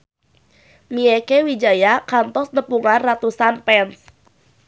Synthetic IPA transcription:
miekewid͡ʒajakant̪ɔsnəpuŋanrat̪usanpɛns

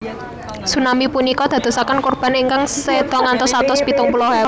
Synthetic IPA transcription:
sunamipunikɔd̪̥a̤d̪̥o̤sakənkurb̥a̤niŋkaŋsed̪̥ɔ̤ŋant̪ɔsat̪ʊspit̪ʊŋpulɔɦa

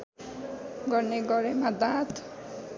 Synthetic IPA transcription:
ɡʌrneɡʌɾemad̪at̪

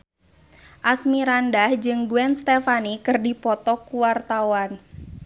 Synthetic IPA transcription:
ʔasmiɾandahd͡ʒɨŋɡuɛnst̪ɛfanikɨrdipɔt̪ɔkuwart̪awan

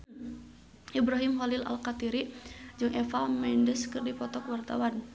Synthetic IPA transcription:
ʔibɾaɦimɦɔlila̰lkat̪iɾid͡ʒɨŋʔɛfamɛindəskɨrdipɔt̪ɔkwart̪a̰wan

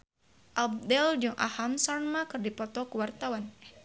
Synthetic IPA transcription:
ʔab̚dɛld͡ʒʊŋʔa̰hamsarmakɨrdipɔt̪ɔkuwart̪awan

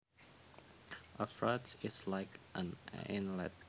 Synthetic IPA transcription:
ʔəfɹatɪslaɪkʔə̰̃nɪ̰̃nlɛ̰t̚

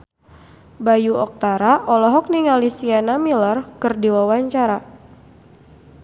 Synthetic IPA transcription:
bajuʔɔk̚t̪aɾaʔɔlɔɦɔk̚niŋalisianamilərkɨrdiwawaɲt͡ʃaɾa

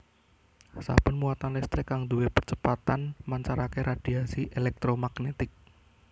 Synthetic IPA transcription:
sa̰b̥ənmuat̪anlɛst̪ɾɪkːaŋd̪uwepərt͡ʃəpat̪anmaɲt͡ʃaɾakeɾad̥iasiʔelɛk̚t̪ɾomaɡnet̪ɪk̚

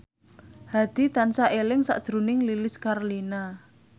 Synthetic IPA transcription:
had̪̥i̤t̪ansaʔelɪŋsa̰ʔd̥ʒ̥ɾṳnɪŋlilɪskarlina

